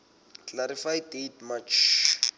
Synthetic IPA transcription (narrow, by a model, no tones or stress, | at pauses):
klaɾifajdetmat͡ʃʰ